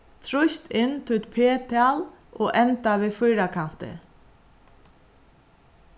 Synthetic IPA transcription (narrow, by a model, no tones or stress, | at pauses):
t̪ʰɾʊst̪ʰɪnːt̪ʰɪt̪pʰeːt̪ʰɪalʔoːʔɛnt̪aʋɪːfʊjɾakʰan̥t̪ɪ̰